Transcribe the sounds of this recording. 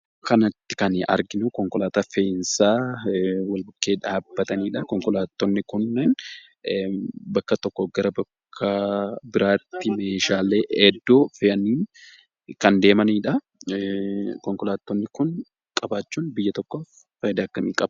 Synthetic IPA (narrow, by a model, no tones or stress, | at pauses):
kɐnɐt̪ːɪ̥kɐnɐ̰ɾɡɪnʊkɔŋkɔlaːt̪afeɪnsaː | wɐlbʊkːe̞ːᶑaːbːɐt̪ɐniːᶑɐkɔŋkɔlaːt̪ːɔnːɪkʊnːɛn | bɐkːɐt̪ɔkːɔɡɐɾɐbɐkʰːɐbɪɾaːt̪ːɪmeːʃaːleːʔɛd̪ːoːfɛʔɐniːn | kɐnd̪e̞ːmɐniːᶑɐ | kɔŋkɔlaːt̪ːɔnːɪkʊn | kʼɐbaːt͡ʃːuːnbɪjːɐt̪ɔkːoːf | fɐd̪ɐːkːɐmiːkʼɐb